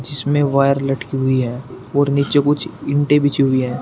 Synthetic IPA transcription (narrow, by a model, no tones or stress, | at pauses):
d͡ʒɪsmẽʋaːjəɾlɐʈkiɦʊiɦɛː | ɔːɾniːt͡ʃekʊt͡ʃʰɪ̃ɳʈebɪt͡ʃiɦʊiɦɛ̃ː